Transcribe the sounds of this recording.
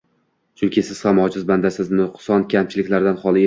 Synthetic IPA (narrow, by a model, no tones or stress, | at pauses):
t͡ʃʰʊŋkʲɪsɪz̥χamɒd͡ʒɪzband̪asɪznɪqʊ̥sɒnkʲʰamt͡ʃʰɪlɪkʲlaɾd̪anχɒlˠɪ